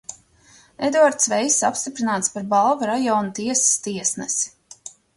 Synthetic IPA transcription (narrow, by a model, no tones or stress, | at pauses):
ed̪uaɾt̪svɛjsapst̪ipɾinaːt̪spaɾbalˠvaɾajɔːnut̪iɛsi̥st̪iɛsnɛs